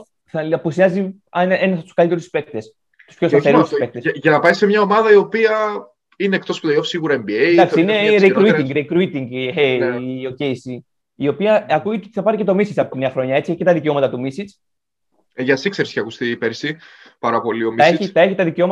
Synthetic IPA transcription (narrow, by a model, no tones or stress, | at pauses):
θɐlɐpusiɐzi | ɐnenɐsɐt̪u̥skɐlit̪euspe̞k̚t̪es | t̪u̥spço̞st̪ɐθeɾusspek̚t̪eʝɐnɐpɐjsemɲɐo̞mɐðɐio̞piɐ | ineek̚t̪o̞sput̪ɐiofsiɣuɾɐembiejd̪ɐksiineɾekɾuiiŋɡɾekɾuit̪iŋɡeo̞cesi | io̞piɐɐkuet̪t̪iθɐpɐɾice̞t̪o̞misit͡sɐpot̪ineɐxɾo̞ɲɐe̞t͡sieçi̥cet̪ɐðiceo̞mɐt̪ɐt̪umisit͡s | ʝɐsikse̞ɾise̥eɐkust̪iːpeɾsi | pɐɾɐpo̞lio̞miɐeçit̪ɐeçit̪ɐðiceo̞mɐ